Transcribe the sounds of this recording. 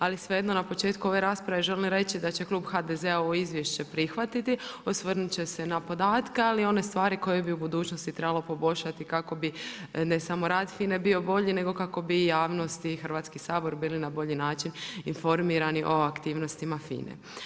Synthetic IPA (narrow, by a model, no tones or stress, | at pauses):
alisʋejed̪no̞napo̞t͡ʃeːt̪kuo̞ʋeɾaːspɾaʋe̞ʒe̞limɾe̞t͡ɕid̪at͡ɕe̞klˠuːbxad̪ezeaoizʋje̞ʃt͡ɕepɾixʋat̪it̪iosʋər̩nut͡ɕe̞se̞napo̞d̪aːt̪kealio̞ne̞st̪ʋaːɾiko̞jebiubud̪uːt͡ɕnost̪it̪ɾebalˠo̞po̞bo̞ʎʃat̪ikako̞bine̞samo̞ɾaːd̪fine̞bio̞bo̞ʎine̞ɡo̞kako̞bijaːʋno̞st̪iːxr̩ʋat̪skisaːbo̞ɾbiːlinabo̞ʎinaːt͡ʃininfo̞ɾmiːɾaniʔo̞akt̪iːʋno̞st̪imafḭːnḛ